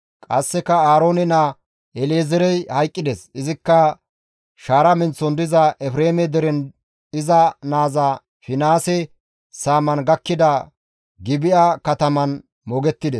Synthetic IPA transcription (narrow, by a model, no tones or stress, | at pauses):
kʼɐsːɛkɐaːɾo̞ːnɛna | ɛleːzɛɾɛjhɐjkʼːɪd̪esɪzɪkːɐ | ʃaːɾɐmɛnt͡sːɔnd̪ɪzɐɛfɾeːmɛd̪ɛɾɛn | ɪzɐnaːzɐ | fɪnaːsɛ | saːmɐnɡɐkːɪd̪ɐ | ɡɪbɪʔakɐt̪ɐmɐn | mɔɡɛt̪ːɪd̪es